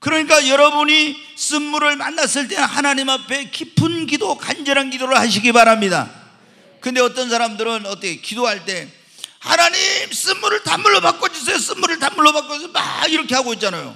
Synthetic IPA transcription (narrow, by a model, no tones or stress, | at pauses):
kɯɾʌɲik͈ajʌɾʌbuɲi | s͈ɯnmuɾɯɭmanːas͈ɯɭt͈e̞hanaɲimapʰe̞kipʰɯnɡidokand͡ʑʌɾanɡidoɾɯɭhaɕ̬ʰiɡibaɾamɲida̰ | kɯnde̞ʌt͈ʌnsʰaɾamdɯɾɯnʌt͈ʌkʰekidoɦaɭt͈e̞ | ha̰naɲims͈ɯnmuɾɯɭtamuɭːopak͈od͡ʑis̬ejos͈ɯnmuɾɯɭtanmuɭːobak͈oisoma̰ɡiɾʌkʰe̞haɡoit̚t͡ɕ͈anajo̰